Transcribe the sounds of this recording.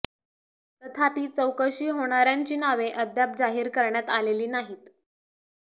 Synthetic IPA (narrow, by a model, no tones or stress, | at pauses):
t̪ət̪ʰapiːt͡səwkəɕiːɦoɽ̃aɾjaɲt͡ɕiːnaʋeʔəd̪ʱjap̚d͡zaɦiːɾkəɾɳjat̪aleliːnaɦiːt̪